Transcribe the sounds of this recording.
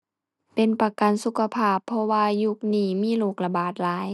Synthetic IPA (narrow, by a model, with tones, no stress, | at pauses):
pe˨npa˧ka˨nsu˧kʰa˧pʰaː˧˩pʰːɔ˧waː˧ju˧k̚niː˧˩miː˧˥˨luː˧˩k̚la˧baː˨˩t̪̚laː˨˦j